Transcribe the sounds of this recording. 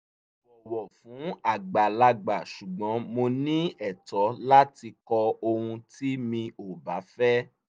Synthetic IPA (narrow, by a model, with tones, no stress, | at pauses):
wɔ˨wɔ˨fũ˨˦a˦˨ɡ͡ba˨la˧ɡ͡ba˨ʃu˨ɡ͡bɔ̃˨˦mo˧nĩ˦ɛ˦˨tɔ˨˦la˦ti˧kɔ˧o˧hũ˧ti˦mĩ˧o˨ba˨˦fɛ˦